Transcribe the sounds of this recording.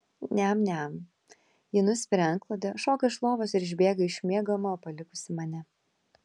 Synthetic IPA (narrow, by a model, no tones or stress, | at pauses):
nʲɛmnʲɛm | jɪnʊsʲpʲɪɾʲɛŋklˠɐd̪ʲɐʃoːkɐɪʃlˠoːʋosɪɾɪʒʲbʲeːɡɐɪʃʲmʲiɛɡomɐoːpɐlʲɪkʊsʲɪmɐnʲɛ